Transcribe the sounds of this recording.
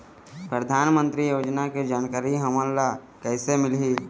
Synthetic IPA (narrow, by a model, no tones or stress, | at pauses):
pɾəd̪ʱaːnmə̃nt̪ɾijoːd͡ʒnaked͡ʒaːnkaːɾiɦəməlla | kɛːsemɪlɦi